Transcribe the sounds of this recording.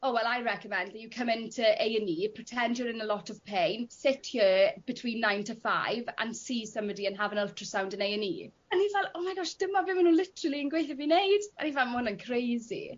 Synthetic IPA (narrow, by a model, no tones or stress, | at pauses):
owɛlˠajɹɛkəmɛ̃ndðəjukʰəmɪ̃ntʰəʔejəniːpʰr̥ətʰɛndjɔɾɪnəlɔtʰɔv̥pʰejnsɪtʰjəb̥ɪtʰw̥iːnːãjntʰəfa̰jvã̰nsiːsə̃mbɔdiənɦavə̃nəlˠtʰɹ̥əsãwndə̃nejənḭː | anivɛlˠɔmaɡɔʃd̥əmɔvɪmənuːnlɪtəɾəlˠiənɡwejθəvinejdanivɛlˠmʊnənkʰrejzḭ